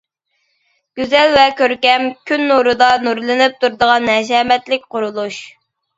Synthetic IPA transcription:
ɡ̥ʲyzɛlvɛkʲøɾkʲɛmkʲʰynːuɾɨd̪ɑnuɾlˠɨnɪp̚t̪ʰuɾd̪əʁɑnːɛd͡ʒɛːmɛt̪lɪk̚ʲqʊɾulˠuʃ

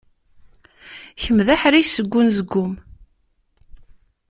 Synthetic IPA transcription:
çəmðæħɾisəɡʷːʊnzəɡːʊm

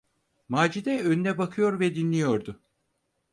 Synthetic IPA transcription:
maːd͡ʒid̪ɛønynɛbakʰɯjo̞ɾvɛd̪inlːʲijo̞ɾd̪ʊ

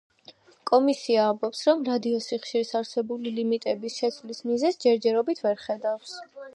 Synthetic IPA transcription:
kʼɔmisiaːmbɔpsɾɔmɾad̪iɔsiχʃiɾisaɾsɛbulilimit̪ʼɛbisʃɛt̪sʰlismizɛsd͡ʒɛɾd͡ʒɛɾɔbit̪ʰvɛɾχɛd̪afs

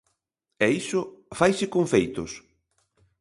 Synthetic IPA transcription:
ɛisʊfajsɪkoɱfejt̪ʊs

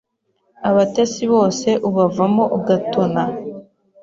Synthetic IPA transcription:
aβatesiβo̞ːse̞ʔuβavamo̞ʔuɡatona

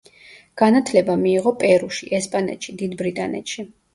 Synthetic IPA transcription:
ɡ̥anat̪ʰlɛbamiːʁɔpʼɛɾuʃiʔɛspʼanɛ̰t̪ʃid̪id̪bɾit̪ʼanɛ̰t̪ʃi

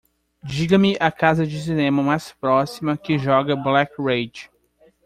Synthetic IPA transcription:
d͡ʒiɡɐmɪʔakazɐd͡ʒɪs̬inẽmɐmajspɾɔsimɐkɪʒɔɡɐblɛkɹejd͡ʒ

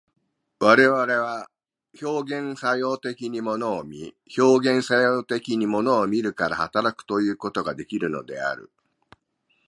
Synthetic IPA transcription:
βaɾe̞βaɾe̞βa | ço̞ːɡẽ̞ɰ̃sajo̞ːt̪e̞kʲiɲ̟imo̞no̞ːmʲi | ço̞ːɡẽ̞ɰ̃sajoːt̪e̞kʲiɲ̟imo̞no̞ːmʲiɾɯ̟kaɾahat̪aɾakɯ̟̥t̪o̞jɯ̟ːko̞t̪o̞ɡad̪e̞kʲiɾɯ̟no̞̰d̪e̞a̰ɾɯ̟̰

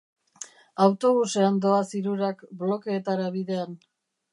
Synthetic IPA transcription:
awt̪o̞βuseand̪o̞asiɾuɾakblo̞ke̞ːt̪aɾaβiðe̞an

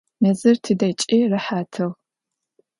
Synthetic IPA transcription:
nɐzɨrtʰɨdɐt͡ʃʼiːrɨħaːtʰɨʁ

